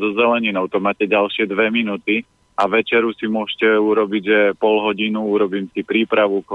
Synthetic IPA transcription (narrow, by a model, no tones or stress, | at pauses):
zɔzɛlɛɲinɔʊt̪ɔmaːcɛɟalʃɪɛd̪ʋɛminut̪i | aʋɛt͡ʃɛɾusimʊɔʃcɛuɾɔbiɟʒɛpɔlɦɔɟinuuɾɔbiːmsipɾiːpɾaʋuk